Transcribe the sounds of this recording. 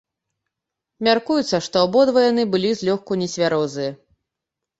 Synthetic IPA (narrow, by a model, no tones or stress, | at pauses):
mʲarkujut̪sːɐʂt̪ɔabɔd̪vɐjanɨbɨlʲizʲlʲɔxkunʲɛsʲvʲaɾɔzɨjɐ